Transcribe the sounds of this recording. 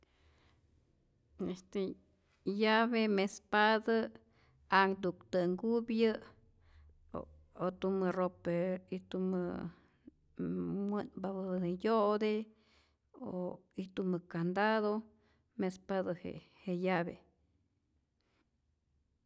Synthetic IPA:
est̪e | jaβemespad̪a | aŋd̪ukt̪ɨŋɡubjɨ | o̰ | ot̪umɨropeit̪umɨ | mwɨnbaβɨnjoʔd̪e | o̰it̪umɨkand̪ad̪o | mespad̪ahḛhejabḛ

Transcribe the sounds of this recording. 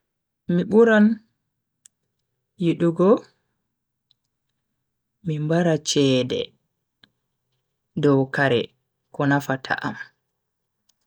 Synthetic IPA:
miɓuɾan | jiɗuɡɔ | mimbaɾat͡ʃɛːdɛ̰ | dɔwkaɾɛ̰ | kɔnafatʰa̰ʔa̰m

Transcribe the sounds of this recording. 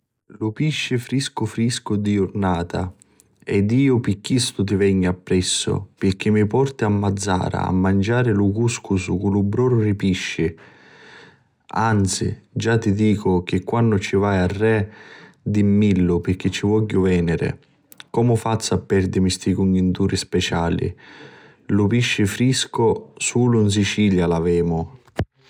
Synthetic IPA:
lʊpiʃːɪfɾiskʊfɾiskʊd̪iʊrnaːt̪a̰ | ɛd̪iːʊpikːist̪ʊt̪̬ɪvɛɲːapːɾɛsːʊ̰pɪrk̟ɪmːipɔrt̪ɪamːad̪zːa̰ːɾa̰a̰mːand͡ʒaːɾɪlʊkuskʊsʊkulʊbɾɔːɾʊripiʃːɪ | ant̪sḭd͡ʒat̪ːid̪iːkʊk̟ɪkːwanːʊt͡ʃivajarːɛ | d̪imːilːʊpɪɾk̟ːɪt͡ʃːivɔʎːʊvɛːnɪɾɪ̰ | kɔːmʊfat̪sːapːɛrd̪ɪmist̪ikuɲːunt̪uːɾispɛt͡ʃaːlḭ | lʊpiʃːɪfɾiskʊsuːlʊns̬it͡ʃiːljalavɛːmʊ

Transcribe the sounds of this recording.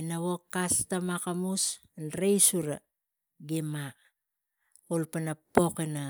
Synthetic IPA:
enaβokːastamakamus | nɾejsuɾa̰ | ɡima | olpanapo̞kena

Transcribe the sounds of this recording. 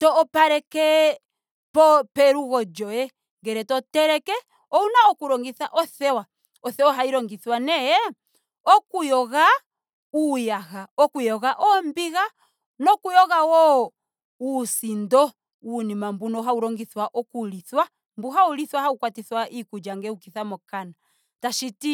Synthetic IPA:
tɔːpaɾɛkɛ | pɔpɛɾuɣɔd͡ʒɔjɛ | ŋɡɛɾɛtɔtɛɾɛkɛ | ɔunaɔkuɾɔŋɡiθaʔɔθɛwa | ɔθɛwaɦaiɾɔŋɡiθwanɛjɛ | ɔkujɔɣa | ujahaɔkujɔɣaʔɔmbiɣa | nɔkujɔɣawɔ | usindɔ | unimambunɔɦauɾɔŋɡiθwaʔɔkuliθwa | mbuɦauliθwahaukwatiθwaʔikud͡ʒaŋɡɛukiθamɔkana | taʃiti

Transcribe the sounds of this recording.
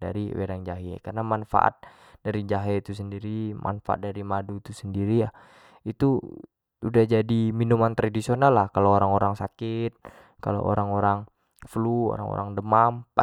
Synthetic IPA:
da̰ɾiweɾaŋd͡ʒaɦḭkarnamanfa̰ʔa̰t̪̚ | daɾid͡ʒaɦit̪us̬əndiɾimʔa̰nfaa̰t̪̚daɾimadut̪usəndiɾija | it̪u | udahd͡ʒadiminumant̪ɾadisionalːahkalooɾaŋoɾaŋsakɪt̪̚ | ka̰lo̰ʔo̰ɾaŋoɾaŋ | fluo̰ɾa̰ŋo̰ɾaŋdəmampa

